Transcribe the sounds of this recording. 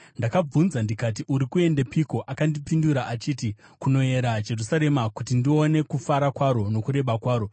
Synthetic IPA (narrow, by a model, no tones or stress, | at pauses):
ndakab͡vunzandikatiʔuɾikue̞ndepiko̞ʔakandipinduɾaʔat͡ʃiːti | kuno̞e̞ɾad͡ʒe̞rusaɾe̞makutindione̞kufaɾakwaɾo̞no̞kuɾe̞ɓakwaːɾo̞